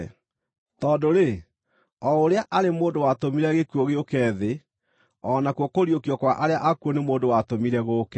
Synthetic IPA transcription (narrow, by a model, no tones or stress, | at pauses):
tɔdoɾe | ɔoɾeaʔaɾemoːndowatomiɾɛɣekwoɣeokɛðe | ɔnakwokoɾjokiɔkwaʔaɾeaʔakuonemoːndowatomiɾɛɣoːkɛ